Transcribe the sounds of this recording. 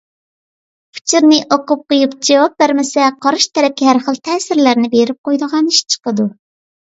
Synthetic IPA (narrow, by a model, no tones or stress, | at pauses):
pʰu̥t͡ʃʰiɾnɪʔoqʊp̚qʰojupd͡ʒɛwɑp̚bæɾmɪsɛqʰɑɾɨʃt̪ʰɛɾɛkʲɪɦæɾχəlˠt̪ʰɛːsɪɾlæɾnɪbeɾɪp̚qojd̪əʁɑniʃt͡ʃʰə̥qəd̪u